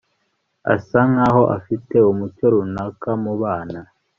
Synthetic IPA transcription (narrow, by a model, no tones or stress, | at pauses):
a̰saŋaːɦo̞ʔa̰fite̞umucoɾunakamuβaːna